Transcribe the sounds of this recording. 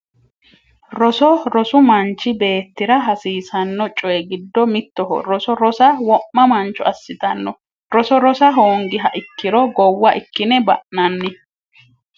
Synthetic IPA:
ɾɔsɔɾɔsʊmɐnt͡ʃːɪbe̞ːt̪ːɪɾɐɦɐsiːsɐnːɔt͡ʃʼɔjɛɡɪd̪ːɔmɪt̪ːɔɦɔ̰ɾɔsɔɾɔsɐwɔʔmːɐmɐnt͡ʃːʊɐsːɪt̪ɐnːɔ | ɾɔsɔɾɔsɐɦoːŋɡɪɦɐʔɪkːɪɾɔɡɔwːɐʔɪkːɪnɛbɐ̰ʔnɐnːɪ

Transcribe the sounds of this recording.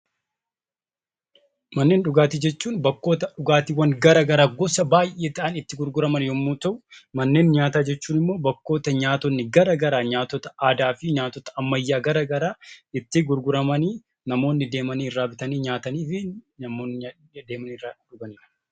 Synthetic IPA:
mɐnːe̞ːnᶑʊɡaːt̪id͡ʒɛt͡ʃːuːnbɐkːo̞ːt̪ɐᶑʊɡaːt̪iwɐŋɡɐɾɐɡɐɾaːɡɔsɐbaːjʔe̞ːt̪ɐʔɐnɪt̪ːɪɡʊɾɡʊɾɐmɐnjɔmːuːt̪ɐʔʊmɐnːeːnɲaːt̪aːd͡ʒɛt͡ʃːuːnɪmːo̞ːbɐkːo̞ːt̪ɐɲaːt̪ɔnːɪɡɐɾɐɡɐɾaːɲaːt̪ːɔt̪ɐaːd̪aːfɪɲaːt̪ːɔt̪ɐʔɐmːɐjːaːɡɐɾɐɡɐɾaːɪt̪ːɪɡʊɾɡʊɾɐmɐniː | nɐmo̞ːnːɪd̪e̞ːmɐniːɪrːaːbɪt̪ɐniːɲaːt̪ɐniːfɪnɐmoːnːɪ | d̪eːmɐniːrːaːᶑʊɡɐniːɾɐ̥

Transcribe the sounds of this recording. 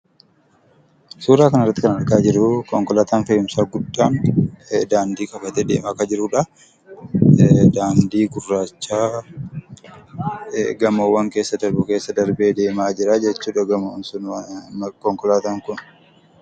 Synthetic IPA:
suːɾaːkɐnɪrːɐt̪ːɪkɐnɐɾkaːd͡ʒɪɾʊkɔŋkɔlaːt̪aːnfɐjɪmsaːɡʊd̪ːaːn | d̪aːnd̪iːkɐfɐt̪ɛd̪eːmaːkɐd͡ʒɪɾʊːᶑɐ | d̪aːnd̪iːɡʊrːaːt͡ʃːaː | ɡɐmoːwɐŋkeːsːɐd̪ɐɾbʊke̞ːsːɐd̪ɐɾbe̞ːd̪e̞ːmaːd͡ʒɪɾaːd͡ʒɛt͡ʃːuːᶑɐɡɐmɐnsʊn | kɔŋkɔlaːt̪aːŋkʊn

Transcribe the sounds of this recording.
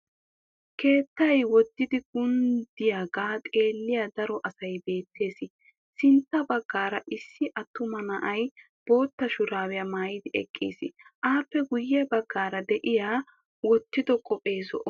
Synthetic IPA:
kʰe̞ːt̪ːɐjwɔd̪ːɪd̪ɪɡʊnd̪ɪjaːɡaːt̪ʼe̞ːlːɪjad̪ɐɾɔʔɐsɐjbe̞ːt̪ːe̞ːsɪ | sɪnt̪ːɐbɐɡːaːɾɐʔɪsːɪʔɐt̪ːʊmɐnɐʔɐj | b̥o̞ːt̪ːɐʃʊɾaːwɪjɐmaːjɪd̪ɪʔɛkʼːḭːsɪ̰ʔaːpːɛɡʊjːɛbɐɡːaːɾɐd̪ɛʔɪjaː | wɔt̪ːɪd̪ɔkʼɔpʼe̞ːzɔʔɔ

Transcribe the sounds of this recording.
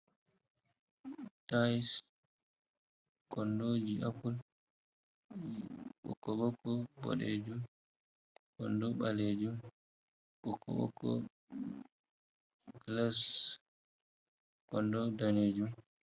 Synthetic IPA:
tajs | kɔndoːd͡ʒiʔapul | ɓɔ̰kɔɓɔkɔbɔ̰ɗḛd͡ʒum | kɔ̰ndɔɓaleːd͡ʒum | ɓɔkːɔ̰ɓɔ̰kɔ̰ | ɡlas | kɔndɔdaneːd͡ʒum

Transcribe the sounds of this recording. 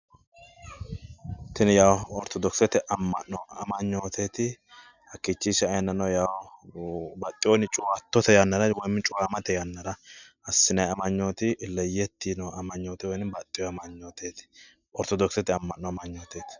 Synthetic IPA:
t̪ɪnjaːwɔɾt̪ɔd̪ɔksɛt̪ɛʔɐmːɐ̰nːɔɐmɐɲːo̞ːt̪ʰet̪ɪ | hɐkːit͡ʃːiːʃɛɐjɐnːɐnɐwjaːw | bɐt̪ʼːɪjonɪt͡ʃʼʊwaːt̪ːɔt̪ɛjanːɐɾɐwɔjmɪt͡ʃʼʊwaːmɐt̪ɛjanːɐɾɐʔɐsːɪnɐjɐmɐɲːoːt̪ɪɪlːɛjɛt̪ːiːnoɐmɐɲːoːt̪ɛwɔjnɪbɐt̪ʼːɪjɔɐmɐɲːoːt̪eːt̪ɪ̥ | ɔɾt̪ɔd̪ɔksɛt̪ɛɐmːɐnːɔɐmɐɲːoːt̪eːt̪ɪ̥

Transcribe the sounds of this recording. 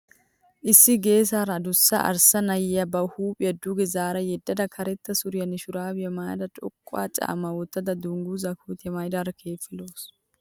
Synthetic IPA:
ʔɪsːɪɡe̞ːs̬aːɾɐd̪ʊsːɐ̰ʔɐ̰ɾsɐnɐjɪjɐbɐhuːpʼɪjɐd̪ʊɡɛzaːɾɐjɛd̪ːɐd̪ɐkʰɐɾɛt̪ːɐsʊɾɪjɐnɪʃʊɾaːbɪjɐmaːjd̪ɐt͡ʃʼɔ̰kʼːʊa̰ːt͡ʃʼa̰ːmːɐwɔt̪ːɐd̪ɐd̪ʊŋɡuzɐkuːt̪ɪjɐmɐjd̪aɾɐkʰe̞ːfɪloːs

